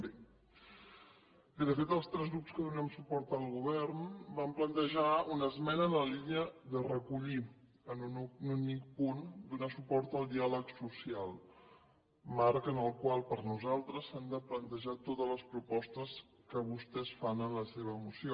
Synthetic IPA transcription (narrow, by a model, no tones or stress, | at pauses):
e | iðəfet̪əlˠst̪ɾɛzɣɾupskəðunɛmsupɔɾt̪əlˠɣuβɛɾnbamplənt̪əʒaunəzmɛnəːnəliniəðərəkuʎi | ənunnunik̚pund̪unasupɔɾt̪əlˠd̪ialəksusialˠ | maɾkənəlˠkwalˠpəɾnuzalˠt̪ɾəsand̪əplənt̪əʒat̪ot̪əzləspɾupɔst̪əs | kəβust̪ɛsfanənləseβ̞əːmusio